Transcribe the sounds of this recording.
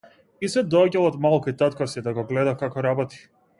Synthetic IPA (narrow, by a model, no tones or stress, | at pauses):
isɛd̪ɔaɟalˠɔd̪malˠkuit̪at̪kɔsid̪aɡɔɡlɛd̪akakɔɾabɔt̪i̥